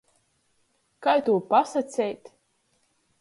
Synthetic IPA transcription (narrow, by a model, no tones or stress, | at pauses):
kajt̪uɔpasat̪sʲɛjt̪